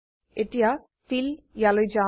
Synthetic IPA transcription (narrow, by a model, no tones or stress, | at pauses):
eʈija | filjalojd͡ʒa